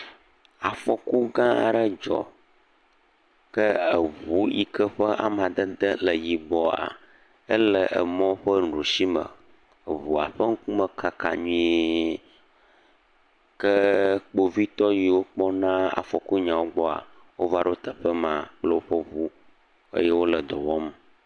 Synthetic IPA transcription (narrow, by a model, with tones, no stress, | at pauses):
a˨fɔ˨ku˦ɡã˦a˨ɖə˦d͡ʒɔ̰˨ | kə˦ə˨vu˦ji˨kə˦ɸə˦ʔa̰˨mã˨d̪ə˦d̪ə˦lə˨ji˨bɔ˦a̰˨ | ə˦lə˨ʔə̰˨mɔ̃˦ɸə˦n̩˨ɖu˨si˦mə̰˨ | ə˨βu˨a˨ɸə˦ŋ̩˦ku˦mə˨kʰa˨ka̰˨ɲũ˦ | kə˦k͡po˦vi˦t̪ɔ˦ji˨wo˦k͡pɔ˦nã˦a̰˨fɔ˨ku˦ɲã˨wo˦ɡ͡bɔ˦a̰˨ | wo˦va˦ɖo˦t̪ə˨ɸə˦mã˨k͡plə˦wo˦ɸə˦vu˦ | ə̰˦jɛ˦wo˦lə˨d̪ɔ˨wɔ˦m˨